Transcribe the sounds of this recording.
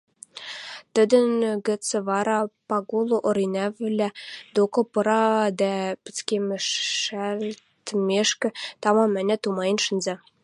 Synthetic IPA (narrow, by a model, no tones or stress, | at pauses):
t̪ɘ̆d̪ɘ̆nɡɘ̆t͡sɘ̆vɑɾɑpɑɡulˠoʔoɾinʲævɘlʲæd̪okŏpɤ̆ɾɑd̪æpɘ̆t͡skʲemɘ̆ʃæll | t̪mʲeʃkʲɘ̆t̪ɑmɑmɘ̆nʲæt̪umɑjə̆nʃɘ̆nzæ